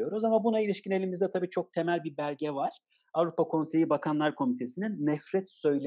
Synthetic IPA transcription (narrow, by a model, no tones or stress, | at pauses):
jo̞ɾozamanbunailʲiʃcine̞lʲimizd̪ɛt̪ʰabiːt͡ʃʰo̞k̚t̪ʰe̞mælʲbibæɾɟɛvaɾ̥ | avɾupakʰo̞nse̞jibakʰanlˠaɾkʰo̞mit̪ʰe̞sininːɛfɾɛt̪sø̞jlʲ